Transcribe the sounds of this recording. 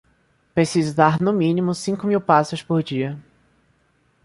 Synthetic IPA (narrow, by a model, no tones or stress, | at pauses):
pɾesizʊd̪aɾnʊmĩnimʊsĩkʊmiwpasʊspoɾd͡ʒiɐ